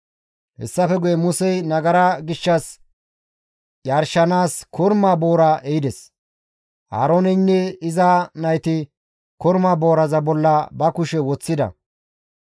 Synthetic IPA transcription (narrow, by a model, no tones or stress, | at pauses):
hɛ̰sːɐfɛɡʊjɛmʊsɛjnɐɡɐɾaɡɪʃːɐs | jaɾʃɐnaːskʰɔɾmaːbo̞ːɾaʔɛjɪd̪ɛs | ʔa̰ːɾoːnɛnːɛɪzanɐjt̪ɪ | kɔɾmaːbo̞ːɾɐzɐbɔlːɐbɐkʊʃɛwɔt͡sːɪd̪ɐ̰